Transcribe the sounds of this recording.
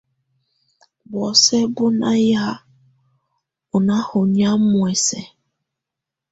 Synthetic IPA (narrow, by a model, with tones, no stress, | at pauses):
wɔ˨se˦ɡʊ˦na˦ja˦ | ʊ˨na˦hʊ˨ɲa˦mʊ˨e˨se˨